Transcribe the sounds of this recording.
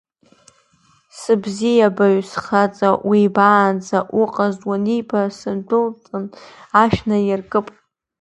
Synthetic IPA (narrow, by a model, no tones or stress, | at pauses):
sɨbzijabaɥsχat͡sʼawibaːnd͡zaʔuqʼazʼwanibasɨndʷʊlt͡sʼɨnaʃnajɪrkʼɨpʼ